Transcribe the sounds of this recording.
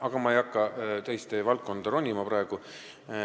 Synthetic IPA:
ʔɑɡ̥ɑmɑejɑkːˑɑt̪ejst̪evɑlt̪kːo̞nd̪̥ɑɾo̞nʲimɑpɾɑeɡ̥u

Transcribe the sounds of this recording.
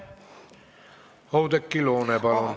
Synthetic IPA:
howt̪ekːiloːnepɑlon

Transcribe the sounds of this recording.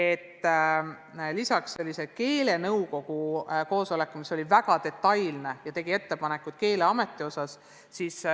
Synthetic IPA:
e̞t̪ˑː | lisɑksːe̞lʲːise̞̥ke̞ːle̞nɤwko̞ɡ̥uko̞ːso̞le̞kːˑumiso̞lʲivæɡ̥ɑt̪e̞t̪ːˑɑjlne̞jɑt̪e̞ɡ̥ie̞t̪ːe̞pɑne̞kːˑut̪̚ke̞ːle̞ɑme̞t̪ːˑio̞sɑs | siːs

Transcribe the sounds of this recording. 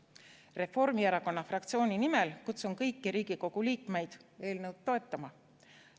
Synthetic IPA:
re̞fo̞rmiæɾɑko̞nːɑfrɑk̚t̪sio̞ːnʲinimelkut̪sumkɤjkːiɾiːɡ̥iko̞ɡ̥uliːkˑme̞jd̪̥e̞ːlnəwd̪̥t̪ːo̞e̞t̪ːˑɑmɑ

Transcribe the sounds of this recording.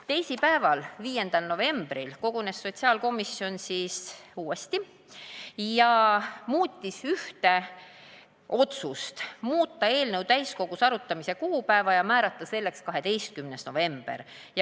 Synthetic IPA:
t̪e̞jsipæevɑlviːje̞nd̪̥ɑlno̞ve̞mb̥ɾilko̞ɡ̥une̞sːo̞t̪siɑːlko̞misːio̞nsisuːest̪i | jɑmuːt̪ʲːisyht̪e̞ | ʔo̞t̪sust̪muːt̪ˑːɑe̞ːlnəɤwt̪æjsko̞ɡ̥usɑɾut̪ːˑɑmise̞kuːpæevɑjɑmæːɾɑt̪ˑːɑse̞lːe̞kskɑɦe̞t̪e̞jst̪̚kymnesno̞̰ve̞mb̥ḛr | j

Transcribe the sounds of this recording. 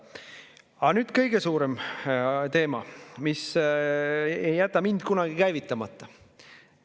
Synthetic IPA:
ɑnyːd̪̥kɤjɡ̥e̞suːɾem | t̪e̞ːmɑ̰mis | ejːæt̪ːˑɑmind̪̥kunɑɡ̥ikæjvit̪ːˑɑmɑt̪ːˑɑ

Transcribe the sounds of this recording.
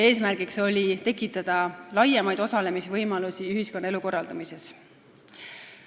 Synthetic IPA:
e̞ːsmærɡ̥ikso̞lʲit̪e̞kːˑit̪ːˑɑd̪̥ɑlɑjemɑjd̪̥o̞sɑle̞misevɤjmɑlusiyɦisko̞nːɑeluko̞rːɑld̪ɑmise̞s

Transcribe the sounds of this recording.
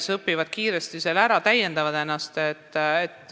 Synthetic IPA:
sɤpːivɑd̪̥kiːɾe̞st̪ise̞læɾɑt̪æje̞nd̪̥ɑvɑd̪e̞nːɑst̪et̪ːet̪ːˑ

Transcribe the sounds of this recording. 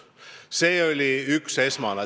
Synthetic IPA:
se̞ːo̞lʲiykse̞smɑnɑ

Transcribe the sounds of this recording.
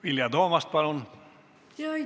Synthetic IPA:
ʋiljɑd̪oːmɑst̪̚pɑlun

